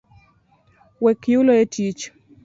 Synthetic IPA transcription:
wɛkiulɔetʰit͡ʃ

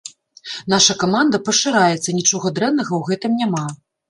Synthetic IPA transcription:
naʂɐkamand̪ɐpɐʂɨɾajɛt̪sːɐnʲit͡ʂɔɣɐd̪ɾɛnnɐɣɐwɣɛt̪ɨmnʲama

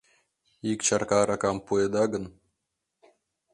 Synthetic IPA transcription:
ikt͡ɕɑrkɑɾɑkɑmpued̪ɑɡə̆n

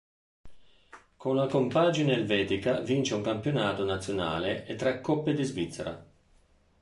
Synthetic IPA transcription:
konlakompaːd͡ʒineːlvɛːt̪ikavint͡ʃeuŋkampjonaːt̪onat̪sːjona̰ːleʔet̪ːɾɛkːɔpːed̪izvit̪sːɛɾa̰

